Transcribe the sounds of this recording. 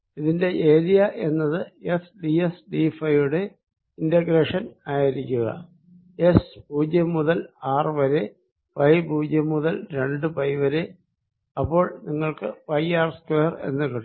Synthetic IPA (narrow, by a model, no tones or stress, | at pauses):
iðinde̞ʔeːðijɐʔe̞nːɐðɨe̞sɖiesɖifɐjʋuɽe̞ | indɐɡɾeːʂɐnaːjiɾikʲːuɣɐ̰ | espuːd͡ʑjɐmːuðɐlaːrɨʋɐɾe̞ | pɐjbʱuːd͡ʑjɐmːuðɐlɾe̞ɳɖɨpɐjʋɐɾe̞ | ɐpːo̞ːɭniŋːɐɭkɨpɐjaːrskweːre̞̰nːɨkɐɽ